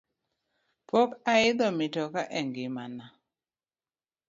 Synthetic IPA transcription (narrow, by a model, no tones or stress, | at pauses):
pɔkaɪd̪ɔmɪtɔkaʔɛŋɡɪmana